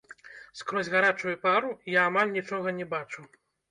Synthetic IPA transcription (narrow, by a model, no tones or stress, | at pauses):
skɾɔzʲɣaɾat͡ʂujupaɾujaːmalʲnʲit͡ʂɔɣɐnʲɛbat͡ʂu